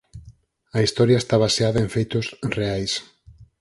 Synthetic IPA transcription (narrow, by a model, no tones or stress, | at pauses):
ɐist̪ɔɾjɐest̪aβaseaðɐeɱfejt̪ʊsreajs